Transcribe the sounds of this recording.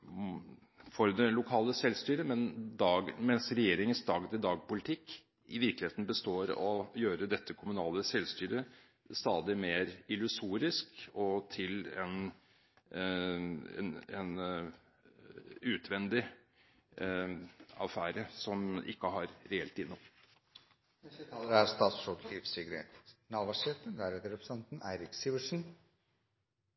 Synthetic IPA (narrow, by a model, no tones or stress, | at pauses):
fɔɾd̪ɛlʊkʰɑːləsɛlst̪yːɾəmɛnd̪ɑːɡmɛnsɾɛjeːɾɪŋənsd̪ɑːɡt̪ɪd̪ɑːɡ̚pʊlɪt̪ʰɪkː | ɪʋɪɾklɪheːt̪n̩bəst̪oːɾɔjøːɾəd̪ɛt̪ʰːəkʰʊmʉnɑːləsɛlst̪yːɾə | st̪ɑːd̪ɪmeːɾɪlʉsuːɾɪskɔt̪ʰɪlɛn | ɛ̰nɛn | ʉːt̪ʰʋɛnd̪ɪ | ɑfæːɾəsɔmʔɪ̰kːəɦɑɾɾɛɛlt̪ɪnːʊm | æɾst̪ɑːt̪sʂɔd̪liːfsɪɡəɾḛt̪nɑːʋɑʂeːt̪ənd̪æɾeːt̪əɾɛpɾsɛnt̪n̩æɪɾɪksiʋəʂn̩